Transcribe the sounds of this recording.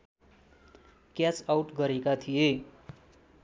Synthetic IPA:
kjat͡sawʈɡʌɾekat̪ʰije

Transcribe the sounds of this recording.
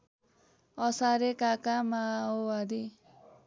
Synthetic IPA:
ʌsaɾekakamaowad̪i

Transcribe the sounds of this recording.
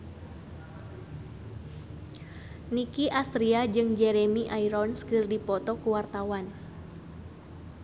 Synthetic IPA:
nikiʔast̪ɾiad͡ʒɨŋd͡ʒɛɾɛmiʔaiɾɔnskɨrdipɔt̪ɔkuwart̪awan

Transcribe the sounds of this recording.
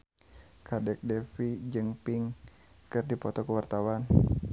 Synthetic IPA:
kʰadɛk̚dɛfid͡ʒɨŋpiŋ | kɨrdipɔt̪ɔkəwart̪awan

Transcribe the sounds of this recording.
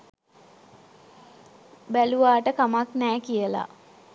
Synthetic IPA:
bæluʋaːʈəkamaknæːkijəla̰

